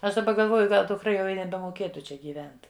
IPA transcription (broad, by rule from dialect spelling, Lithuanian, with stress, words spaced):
ˈɐʃ dɐˈbɐ ɡɐlˠˈʋoːjʊ ˈɡɐlˠ dʊkˈrɐ jɛʊ ɪ nʲɛbʲɛmoːˈkʲeːtʊ ˈt͡ʃʲɛ ɡʲiːˈʋʲɛnt